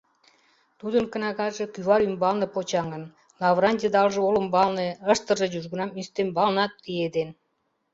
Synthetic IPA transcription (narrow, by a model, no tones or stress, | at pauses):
t̪ud̪ənkə̆nɑɣɑʒĕkyvɑlymbɑlnɤ̆pot͡ɕɑŋə̆n | lɑvrɑnʲd̪ʲed̪ɑlʒĕolə̆mbɑlnĕəʃt̪ə̆ʒɤ̆ʑuʒɣə̆nɑmist̪embɑlnɑt̪ːied̪en